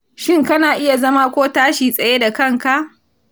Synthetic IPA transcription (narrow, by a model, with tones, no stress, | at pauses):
ʃɪ˦˨ŋkɐ˦naː˨ʔɪ˦ja˨zɐ˦ma˦kʷoː˦taː˦ʃiː˨sʼɐ˨je˦da˨kɐ˦˨ŋka˦˨ʔ